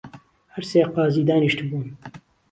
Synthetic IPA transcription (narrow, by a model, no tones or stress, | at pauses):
hɐɾseːqɑːziːd̪aːniʃt̪buːn